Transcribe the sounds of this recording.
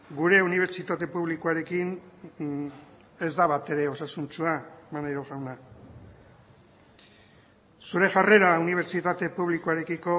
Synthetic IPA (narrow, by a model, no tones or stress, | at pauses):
ɡuɾe̞uniβ̞e̞ɾt͡ʃit̪at̪e̞puβlikoaɾe̞kin | e̞zd̪aβat̪e̞ɾe̞o̞sasunt͡suamanajɾoɣawna | suɾe̞ʝare̞ɾauniβ̞e̞ɾt͡ʃit̪at̪e̞puβlikoaɾe̞kiko̞